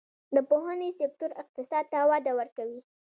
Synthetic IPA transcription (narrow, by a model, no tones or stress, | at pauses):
d̪əpoɦanesɪk̚t̪ʊɾɪq̚t̪ɪsɑd̪̚t̪awɑd̪awəɾkawi